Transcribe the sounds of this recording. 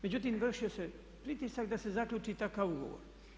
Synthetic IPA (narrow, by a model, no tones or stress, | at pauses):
me̞d͡ʑut̪̬imʋr̩ʃio̞se | pɾit̪isakd̪ase̞zakʎʲuːt͡ʂit̪akaʋuɡo̰ʋo̰ɾ